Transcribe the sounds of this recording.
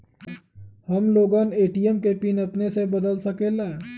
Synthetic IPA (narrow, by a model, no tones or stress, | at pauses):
hɐmloːɡaːneːʈijəmkepiːnɐpnesebɐd̪əlsɐkeːla